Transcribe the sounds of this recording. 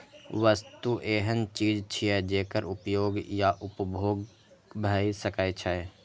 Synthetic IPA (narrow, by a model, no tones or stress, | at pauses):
ʋəst̪uʔeːɦənt͡ʃiːd͡ʒt͡ʃʰiɛd͡ʒeːkəɾʊpjoːɡjaʔʊpbʱoːɡ | bʱaisəkat͡ʃʰae